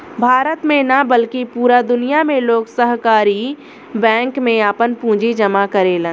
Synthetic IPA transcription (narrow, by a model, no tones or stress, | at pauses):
bʱaːɾət̪mẽnabəlkipuːɾad̪ʊnijamẽloːɡsəɦkaːɾi | bɛ̃ːŋkmẽaːpənpũːd͡ʒid͡ʒəmakəɾeːlə̃n